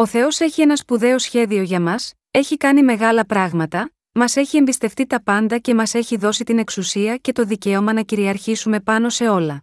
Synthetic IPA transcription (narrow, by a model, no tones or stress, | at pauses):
o̞θe̞o̞se̞çienɐspuðe̞o̞sçe̞ðio̞ʝɐmɐs | e̞çikɐnime̞ɣɐlɐpɾɐɣmɐt̪ɐ | mɐse̞çie̞mbist̪e̞ft̪it̪ɐpɐnd̪ɐce̞mɐse̞çiðo̞sit̪ine̞ksusiɐce̞t̪o̞ðice̞o̞mɐnɐciɾiɐɾçisume̞pɐno̞se̞o̞lɐ